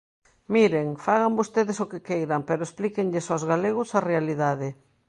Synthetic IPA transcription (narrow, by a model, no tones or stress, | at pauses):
miɾeŋfaɣ̞ambost̪eðɪsokekejɾampeɾoesplikeŋʎesozɣaleɣʊsarealiðaðɪ